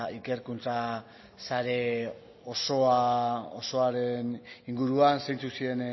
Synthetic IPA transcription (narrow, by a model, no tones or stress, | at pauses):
ike̞ɾkunt͡sa | saɾe̞ | osoaoso̞aɾe̞niŋɡuɾuansajnt͡susie̞n